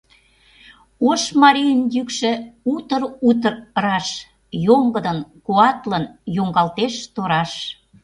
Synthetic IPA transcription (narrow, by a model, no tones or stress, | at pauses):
oʃmɑɾijənjykʃĕut̪əɾut̪̬ərɾɑʃ | joŋɡəd̪ənkuɑt̪lənjoŋɡɑlt̪eʃt̪oɾɑʃ